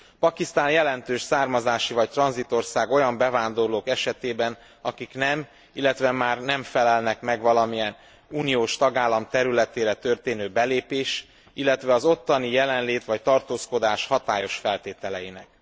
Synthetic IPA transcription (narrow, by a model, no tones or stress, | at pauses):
pɒkist̪aːnjɛlɛnt̪øːʃsaːrmɒzaːʃivɒc̚t̪rɒnzit̪o̞rsaːɡo̞jɒmbɛvaːnd̪o̞rloːkɛʃɛt̪eːbɛn | ɒkiknɛm | ilːɛt̪ʋɛmaːrnɛɱfɛlɛlnɛkmɛɡʋɒlɒmijɛn | uːnijoːʃt̪ɒɡaːlːɒmt̪ɛɾylɛt̪eːɾɛt̪ø̞rt̪eːnøːbɛleːpeːʃ | ilːɛt̪ʋɛɒzo̞t̪ːɒnijɛlɛnleːt̪ʋɒc̚t̪ɒrt̪oːsko̞d̪aːʃhɒt̪aːjo̞ʃfɛlt̪eːt̪ɛlɛjinɛ̰k̚